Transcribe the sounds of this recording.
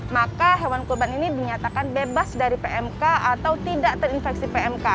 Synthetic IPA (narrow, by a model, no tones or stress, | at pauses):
makaɦewankurbaninidiɲat̪akanbebasdaɾipeɛmkaat̪awt̪idaʔt̪ərinfɛksipeɛmka